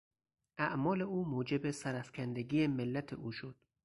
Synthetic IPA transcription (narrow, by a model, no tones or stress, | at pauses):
ʔæʔmɒːle̞uːmuːd͡ʒe̞besæɾæfcʲʰænd̪eɡiːemelːæt̪ʰḛʔuːʃod̪̥